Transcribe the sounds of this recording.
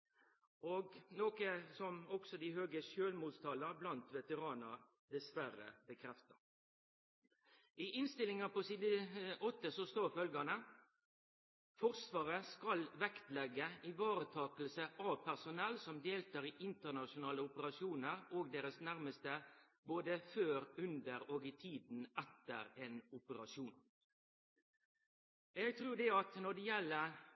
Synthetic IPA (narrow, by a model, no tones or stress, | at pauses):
oɡnoːkəsɔmɔksɔd̪ɪhøːɡəʃøːlmuːst̪ʰɑləɾblɑnt̪ʋɛt̪əʁɑːnə | d̪ɛsʋæɾə̰bəkʰɾɛft̪əɾ | ʔɪʔɪnst̪ɪlɪŋəpɔsiːd̪əɔt̪ːəsɔst̪oːfœlɡənə | fɔʁsʋɑːʁəskɑlʋɛkt̪lɛɡːəɪʋɑːɾət̪ʰɑːkəlsəʔɑpʰæʁsʊnɛlːsɔmd̪eːlt̪ɑːʁɪʔɪnt̪əʁnɑʃʊnɑːləʊpəɾɑʃjuːnəɾoːɡd̪eːɾəsnæɾməst̪ə | boːd̪əføːɾʉnd̪əɾoːɡɪt̪ʰiːd̪n̩ɛt̪ə̰ɾeːnʊpəɾɑʃjuːn | ɛɡ̚t̪ʰɾʉːd̪ɛɑt̪nɔd̪ɛjɛlːə